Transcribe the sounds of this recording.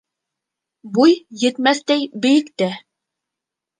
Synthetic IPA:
bujːɘ̆t̪mæθt̪æjbɘ̆jɘ̆kt̪æ

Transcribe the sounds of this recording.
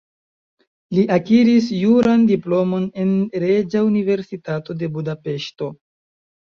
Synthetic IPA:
liʔakiɾis̬juɾandiplo̞mo̞ne̞nɾe̞d͡ʒaunive̞ɾsitato̞de̞budape̞ʃto̞

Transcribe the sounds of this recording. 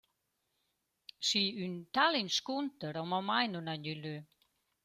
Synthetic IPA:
siːynt̪ʰalinskunt̪əɾɔmɔmajnunanylø

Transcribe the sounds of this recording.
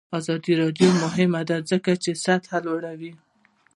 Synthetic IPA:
ɑzɑd̪iɾɑd̪jomʊɦɪmad̪azəkat͡ʃesat̪halwaɽawi

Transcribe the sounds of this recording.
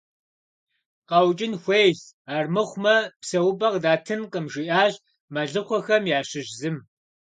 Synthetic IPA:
qɐwt͡ʃʼɪnxʷejz | aːrmɨχʷmɐpsɐwʊbɐqdaːtʰɨnqəmʒɪʔaːɮ | mɐɮɨχʷɔxɐmjaːɕɪʒzɨm

